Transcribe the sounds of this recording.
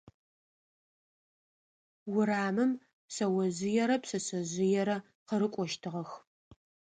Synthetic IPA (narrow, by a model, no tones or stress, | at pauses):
wʊɾaːmɨm | sɐwɐzɪjɛɾɐpsɐsɐzɪjɛɾɐ | qəɾɨkʷʼɔʃtʰɨʁɐx